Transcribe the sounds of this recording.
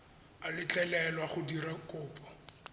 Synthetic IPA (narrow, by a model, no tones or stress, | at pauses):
alɪt͡ɬʼɛlɛlwaχʊdiɾakʼʊːpʼɔ̥